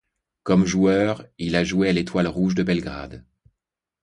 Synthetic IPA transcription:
kɔmʒuœːʁilaʒuealet̪walʁuʒd̪əbɛlɡʁa̰d̪

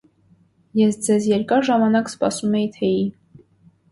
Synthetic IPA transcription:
jɛsd͡zɛzjɛɾkɑɾʒɑmɑnɑkspɑ̰sumɛjit̪ʰɛi

